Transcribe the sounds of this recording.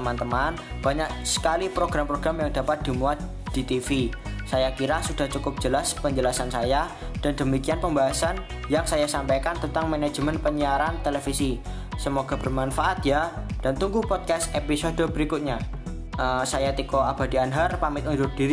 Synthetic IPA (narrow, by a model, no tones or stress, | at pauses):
əmant̪əmanb̥aɲak̚sə̥kalipɾoɡɾampɾoɡ̥ɾamjaŋdapat̪̚d̥imuat̪̚ | d̥it̪ifisajakiɾasud̥aht͡ʃukʊp̚d͡ʒ̥əlaspəɲd͡ʒəlasansaja | d̥andəmikianpəmbaɦasan | jaŋsajasampajkant̪ənt̪aŋmanḁd͡ʒmənpəɲiaɾant̪əlefisi | səmoɡab̥ərmanfaʔat̪ja | d̥ant̪uŋɡupɔd̪̚kast̪episodobəɾikʊt̪̚ɲa | ʔəsajat̪ikoab̥adianɦarpamɪt̪̚ud͡ʒʊr̚d̥iɾ